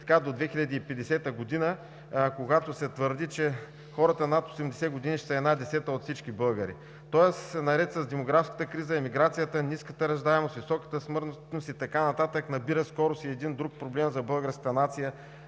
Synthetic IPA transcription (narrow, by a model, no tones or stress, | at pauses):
t̪ɐ̥kad̪od̪vɛxilʎʲɐd̪iːpɛd̪ɛsɛt̪əɡod̪inə | koɡat̪osɛt̪vəɾd̪it͡ʃɛ | xɔɾət̪ənɐt̪osɛmd̪ɛsɛɡod̪iniʃt̪ɛɛːd̪nad̪ɛsɛt̪əot̪fsit͡ʃkibɤlˠɡəɾḭ | t̪ɔɛssɛnɐɾɛt̪sɐzd̪ɛmoɡɾafskə̥t̪əkɾizəɛmiɡɾat̪sijət̪əniskət̪əɾɐʒd̪aɛmost̪visɔkə̥t̪əsmɤɾ | nost̪it̪ɐkanɐt̪at̪əknɐbiɾəskɔɾʊsiɛd̪ind̪ɾuk̚pɾoblɛmzɐbɤlˠɡəɾskət̪ənat̪sijə